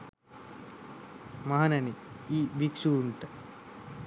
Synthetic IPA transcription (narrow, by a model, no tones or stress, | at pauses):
maɦanɐniiːbiksuːɳʈə